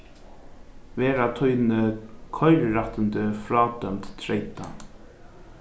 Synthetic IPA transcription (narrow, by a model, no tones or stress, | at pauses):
vɛːɾat̪ʰʊjnəkʰɔjɾɹat̪əndt̪əfɾɑːd̪œmt̪ːʰɾɛjt̪a̰